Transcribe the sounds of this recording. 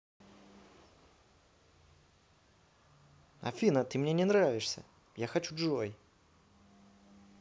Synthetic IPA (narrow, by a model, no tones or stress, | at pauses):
ɐ̰fʲinət̪ɨmnʲenʲɪnɾavʲɪʂsʲə̰ | jaxɐt͡ɕuʐoj